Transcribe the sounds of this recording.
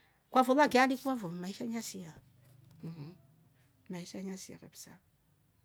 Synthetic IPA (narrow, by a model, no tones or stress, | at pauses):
kʷavoβaɡalikuavomaiʃaɲasija | maiʃaɲasija̰kapi̥sa̰